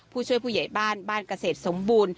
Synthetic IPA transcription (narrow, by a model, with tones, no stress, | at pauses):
pʰuː˥˩t͡ɕʰu˥˩əjpʰuː˥˩ja˨˩˦jbaː˥˩nbaː˥˩nka˧seː˨˩t̪̚so˩˦mbuː˧n